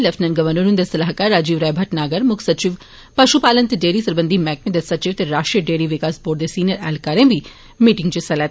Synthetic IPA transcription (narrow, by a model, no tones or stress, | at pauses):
lɐfnənɡɐʋəɾnuɾund̪esɐlaːɦkaːɾːaːd͡ʒiːʋɾɛːbʱɐʈnaːɡəɾmʊkʰsɐt͡ʃiʋ | pɐʃupaːlənt̪eɖeːɾiːsɐɾbənd̪ʱimɛːk̚mẽd̪esɐt͡ʃiʋt̪eɾaːʃʈɾiəɖeːɾiʋɪkaːsboːɖd̪esiːnjəɾɛːlkaːɾẽʋi | miːʈɪ̃ŋɡt͡ʃisɛlaː